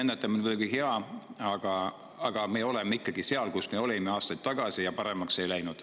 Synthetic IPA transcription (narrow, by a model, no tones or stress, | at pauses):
enːet̪ːˑɑminvɤlɡ̥iɦe̞ɑɑɡ̥ɑ | ɑɡ̥ɑme̞o̞le̞meikːɑɡise̞ɑlkusmeo̞lemeɑːst̪ɑjd̪̥t̪ːɑɡ̥ɑsijɑpɑɾe̞mɑksejlæjnud̪̥